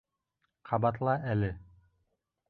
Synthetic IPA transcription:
qʰɑbɑt̪lˠɑʔælɘ

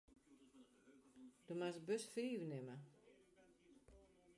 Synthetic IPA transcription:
d̥omasəbøsfiːʋənɪmə

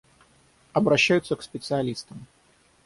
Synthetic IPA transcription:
ɐbɾɐɕːæjʊt̪sːəkspʲɪt̪sɨɐlʲist̪əm

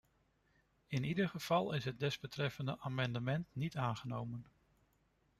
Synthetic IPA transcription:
ɪnidəɹχəv̥ɑlˠɪsɦəd̚dɛzbətrɛfəndəʔaːmɑndəmɛntnitaːnχənowmən

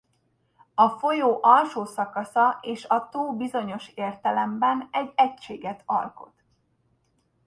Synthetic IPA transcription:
ɒfo̞joːʔɒlʃoːsɒkɒsɒʔeːʃɒt̪oːbizo̞ɲo̞ʃeːrt̪ɛlɛmbɛnɛɟɛcʃeːɡɛt̪ɒ̰lko̞̰t̪

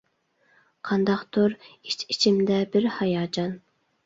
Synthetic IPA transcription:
qʰɑnd̪ɑqt̪oɾit͡ʃit͡ʃʰimd̪ɛbɪɾhɑjɑːd͡ʒɑn

